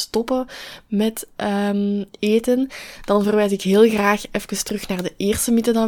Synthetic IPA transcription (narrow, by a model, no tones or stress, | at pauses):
stɔpəmɛtəmeːtənd̥ɑnvərʋɛjzɪkɦɪːlˠɣraːxɛfkəstərɵxnaːrdəʔeːrstəmitədɑ